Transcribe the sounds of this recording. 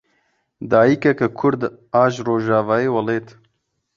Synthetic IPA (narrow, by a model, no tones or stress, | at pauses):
d̪aːjikɐkakʰʊɾd̪ | aːʒɾoːʒaːvaːeːwɐleːt̪